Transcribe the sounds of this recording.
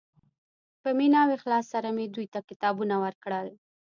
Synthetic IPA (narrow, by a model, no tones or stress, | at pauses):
pəminɑwexlɑsːaɾamed̪ujt̪akɪt̪ɑbunawəɾkɽəl